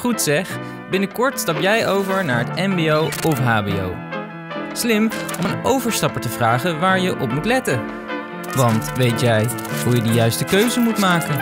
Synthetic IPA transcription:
χutsɛχ | bɪnəkɔɹtstɑpjɛjowvəɹnaːɹɦətɛmbiowɔfɦaːbḭo̰w | slɪmɔmənowvəɹstɑpəɹtəvraːχənʋaːɹjəʔɔpmutlɛtə | ʋɑntʋejtjɛj | ɦujədijœɥstəkøɥzəmutmaːkən

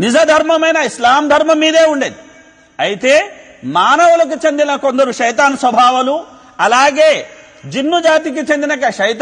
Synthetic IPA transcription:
nid͡ʒɐd̪ʱɐɾmɐmɐjnɐislaːmd̪ʱɐɾmɐmiːd̪e̞ːuɳɖeːd̪i | ɐjit̪e̞ː | maːnɐʋulɐk̬ut͡ʃend̪inɐko̞nd̪ɐɾuʃɐjt̪aːnsʋɐbʱaːʋɐlu | ɐlaːɡeː | d͡ʒinːud͡ʒaːt̪̬ik̬it͡ʃend̪inɐkɐʃɐjt̪ː

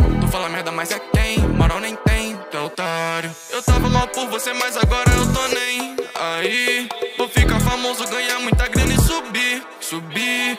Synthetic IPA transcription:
t̪ufalaɐmɛɾd̪ɐmajzakẽj̃maɾawnẽj̃t̪ẽj̃t̪ɛlut̪aɾjʊ | ewt̪avɐmawpoɾvosemajzaɡɔɾɐewt̪onej̃aivowfikɐfamozʊɡɐ̃ɲaɾmũj̃t̪ɐɡɾĩnɐɪsubi | subi

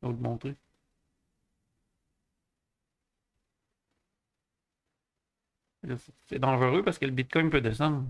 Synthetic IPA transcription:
od̪mɔ̃t̪ʁe | elsɛsɛd̪ɑ̃ʒəʁøpaʁsə̥kɛlbit̪̚kɔjpød̪es̬ɑ̃d̪ʁ

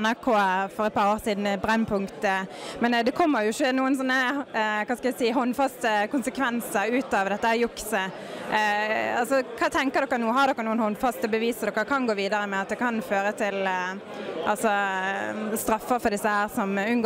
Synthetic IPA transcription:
næʁkʰoːfɔɾɛt̪̚pʰɑːɾoːɾsiːd̪nbʁɛnːpʰʊŋkt̪əmɛnd̪ɛkʰɔmːəɾjʊɪʃːənuːənsɔnːəkɑnskɑæɪsiːɦɔnfɑst̪əkʊnsəkʰʋɛnsəɾʉːt̪ɑʋd̪ɛt̪ːəəjʊksə | ɑlsɔkʰɑːt̪ʰɛŋkəʁd̪ɔkːənuːəhɑd̪ɔkːəɾnuːənhɔnfɑst̪əbəʋiːsəd̪ɔkːəkʰɑnɡoːʋiːd̪ɑɾəmɛɑt̪̚d̪ɛkʰɑnføːɾət̪ʰɪl | ʔɑlsɔ | st̪ɾɑfːəfɔd̪ɪsːəhæːʁsɔmʉnɡ

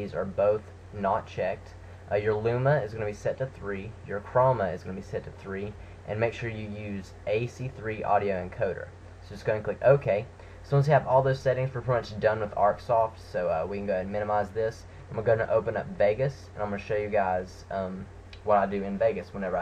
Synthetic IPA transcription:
izə̰˞boʊθ | nət̚t͡ʃʰɛk̚t | ʔʌjə˞lʉməɨzɡʌnɨbisɛtʰɨθɹijə˞kʰɹ̥ɑməɨzɡʌnəbisɛtʰɨθɹi | ʔɨ̰̃nmeɪkʃʊɹjɨjʉz | ʔeɪsiθɹiʔɔ̰ɾioʊɨ̃nkʰoʊɾə̰˞ | soʊd͡ʒɨtsɡ̥oʊɨ̃ŋkʰl̥ɪkoʊkʰeɪ | sʌ̃mwʌ̃nz̬ɨvɔlˠðoʊz̥sɛɾɪ̃ŋz̥fə˞pʰɹ̥ɪmʌt͡ʃdʌ̃nwəðɑ̰ɹksɔftsoʊʌwikɨ̃n̩ɡoʊɨ̃nmɪ̃ñɨmaɪzðɪs | ãməɡoʊɪ̃ŋtɨ̰ʔoʊpɨ̃nʌ̰pveɪɡɨsɨ̃nʔãɪmʌnɨʃoʊjɨɡaɪz̥ | ʌ̃m | wʌɾaɪdɨɨ̃nveɪɡɨswə̃nɛvə˞

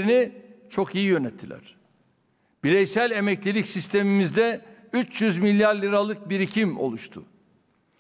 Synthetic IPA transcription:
ɾinit͡ʃʰo̞kijijø̞nɛt̪ʰːilʲæ̰ɾ̥ | b̥iɾɛjsælʲe̞mɛclʲilʲicsist̪ʰe̞mimizd̪ɛyt͡ʃjyzmilʲːjaɾlʲiɾalˠɯk̚biɾicʰimo̞̰lˠuʃt̪ʰʊ̰

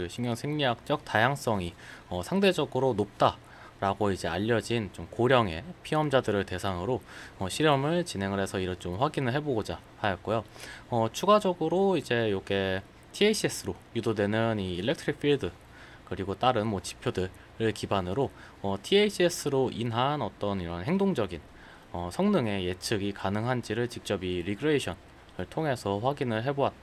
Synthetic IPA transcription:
oɕʰiŋɲjʌŋsʰe̞ŋɲiɦak̚t͡ɕ͈ʌk̚tajaŋs͈ʌŋiʌsʰaŋde̞d͡ʑʌɡɯɾonop̚t͈a | ɾaɡoid͡ʑe̞aʎːʌd͡ʑint͡ɕomkoɾjʌŋe̞̰pʰiʌmd͡ʑadɯɾɯɭte̞sʰaŋɯɾoʌɕʰiɾjʌmɯɭt͡ɕine̞ŋɯɭɦe̞sʰʌiɾʌnt͡ɕomɸwaɡinɯɭɦe̞boɡod͡ʑa | hajʌt̚k͈ojoʌt͡ɕʰuɡad͡ʑʌɡɯɾoid͡ʑe̞joɡe̞ | tʰieɕʰies͈ʰɯɾojudodwe̞nɯniːlːek̚tʰɾik̚pʰiɭdɯ | kɯɾiɡot͈aɾɯnmwʌt͡ɕi̥pʰjodɯɭ | ɾɯɭkibanɯɾo | ʌtʰieɕʰies͈ʰɯɾoʔinɦanʌt͈ʌniɾʌnɦe̞ŋdoŋd͡ʑʌɡin | ʌsʰʌŋnɯŋe̞je̞t͡ɕʰɯɡikanɯŋɦand͡ʑiɾɯɭt͡ɕik̚t͡ɕ͈ʌbiɾikʰɾɯeɕʰʌn | ɯɭtʰoŋɦe̞sʰʌɸwaɡinɯɭɦe̞bowat̚t͈

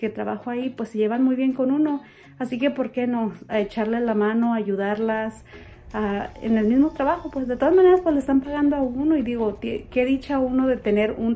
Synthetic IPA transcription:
ket̪ɾaβaxoaipwesːeʝeβanmujβjeŋkonuno | asikepoɾkenoet͡ʃaɾlelamanoaʝuðaɾlas | aḛnelmizmot̪ɾaβaxopwezðet̪o̞ðazmaneɾaspwesleest̪ampaɣand̪oaunoiðiɣot̪ekeðit͡ʃaaunoðet̪eneɾun

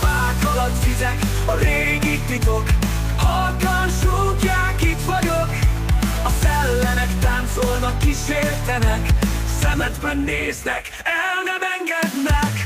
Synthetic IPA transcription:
vaːk̪ɒlɒt̪vizɛk | ɒɾeːɡit̪lit̪ok | hɒlkɒnʃucːaːkit̪ʋɒɟok | ɒsɛlːɛnɛkt̪aːnt̪solnɒkːiʃeːrt̪ɛnɛksɛmɛd̪bɛnːeːznɛk | ɛlnɛmɛŋɡɛd̪nɛk

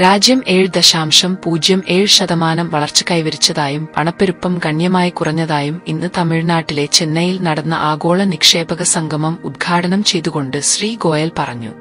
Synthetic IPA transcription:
ɾaːd͡ʑjɐme̞ːɻd̪ɐɕaːmʂɐmpuːd͡ʑjɐme̞ːɻɕɐðɐmaːnɐmʋɐɭɐrt͡ɕːɨ̥kɐjʋɐɾit͡ɕːɐðaːjumpɐɳɐpːeɾupːɐmɡɐɳjɐmaːjikurɐɲːɐðaːjuminːɨt̪ɐmiɻnaːʈːile̞t͡ɕenːɐjilnɐɽɐnːɐʔaːɡo̞ːɭɐnikʂe̞ːbɐɣɐsɐŋɡʱɐmɐmud̪̚ɡʰʱaːʈɐnɐmt͡ɕe̞jt̪uɣo̞ɳɖɨɕriːɡo̞ːjɐlpɐrɐɲːṵ

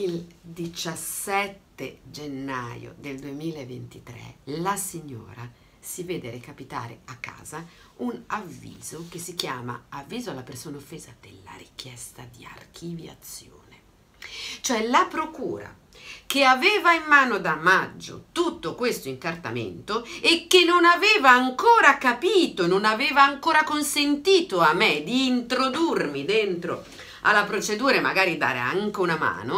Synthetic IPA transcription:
ild̪it͡ʃasɛt̪ːed͡ʒenːajo̰d̪eld̪uemiːlaevːent̪it̪ɾɛ̰lasiɲːo̰ːɾa | sivɛːd̪eɾekapit̪a̰ːɾḛakːa̰ːza | unavːḭːz̥okesːikjaːma̰avːiːzoalːapersoːnaofːeːzad̪̥elːa̰ɾik̟ʰjɛst̪ad̪ia̰rk̟ʰivja̰t̪sːjo̰ːne | t͡ʃoɛlapɾokṵːɾa̰ | keaveːvaimːaːnod̪amad͡ʒːo̰t̪ut̪ːokwest̪oiŋkart̪a̰mḛnt̪oekːenːonaveːvaːŋkoːɾakapiːt̪ononaveːvaːŋkoːɾakonsent̪iːt̪oamːed̪iːnt̪ɾod̪urmid̪ent̪ɾo̰ | a̰lːapɾot͡ʃed̪uːɾema̰ɡaːɾid̪a̰ːɾḛa̰ŋk̟eunama̰ːno

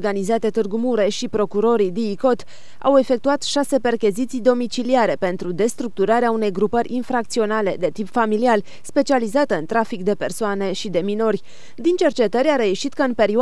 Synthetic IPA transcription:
ɡanizat̪e̞t̪ɨrɡumuɾe̞ʃipɾo̞kuɾo̞ɾid̪iːko̞t̪ | ʔa̰we̞fe̞kt̪uat̪ʃase̞pe̞rkʲezit̪sijd̪o̞mit͡ʃiliaɾe̞pe̞nt̪ɾud̪e̞st̪ɾuk̚t̪uɾaɾeaune̞jɡɾupəɾʲinfɾak̚t̪sio̞nale̞d̪e̞t̪ipfamilial | spe̞t͡ʃializat̪əɨnt̪ɾafikd̪e̞pe̞rsoane̞ʃid̪e̞mino̞rʲ | d̪int͡ʃe̞rt͡ʃe̞t̪əɾʲaɾe̞jeʃit̪kəɨnpe̞ɾio

